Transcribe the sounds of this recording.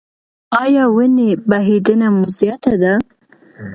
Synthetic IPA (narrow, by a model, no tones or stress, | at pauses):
ɑjɑwənebaɦid̪ənamʊzjat̪ad̪a